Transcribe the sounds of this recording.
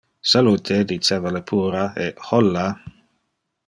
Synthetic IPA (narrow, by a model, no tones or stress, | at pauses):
saluːt̪ʰed̪it͡ʃeːvalepʰuːɾaehɔlːa